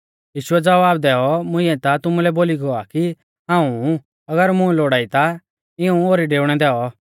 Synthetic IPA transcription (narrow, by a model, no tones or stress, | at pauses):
jiːʃʊɛd͡zɐʋaːbd̪ɛːɔmʊ̃ɪ̃ːɛ̃t̪at̪ʊmulɛboːliɡɔaki | ɦãːũ | ɐɡəɾmʊ̃ɛloːɽaːit̪a | ɪũoːɾiɖeːʊɽ̃ɛd̪ɛːɔ